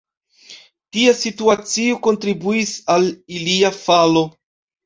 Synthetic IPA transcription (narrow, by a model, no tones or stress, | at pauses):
tiasituat͡sioko̞ntɾibuisaliliafalo̞